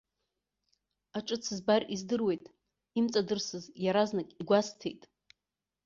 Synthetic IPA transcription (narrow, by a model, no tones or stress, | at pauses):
aʈ͡ʂʼɨt͡sʰɨzbarizdɨrwe̞jtʼ | imt͡sʼadɨrsɨzjaɾaznakʼiɡʷastʰḛjtʼ